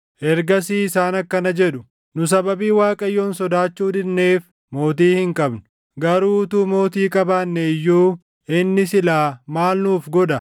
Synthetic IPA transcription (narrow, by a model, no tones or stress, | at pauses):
ʔɛɾɡɐsiːɪsaːnɐkːɐnɐd͡ʒɛᶑʊ̥ | nʊs̬ɐbɐbiːwaːkʼɐjːoːnsɔd̪aːt͡ʃːuːd̪ɪnːe̞ːf | mo̞ːt̪̬iːhɪŋkʼɐbnʊ̥ | ɡɐɾuːt̪uːmo̞ːt̪iːkʼɐbaːnːɛɪjːuː | ɪnːɪsɪlaːmaːlnuːfɡɔᶑ̪ɐ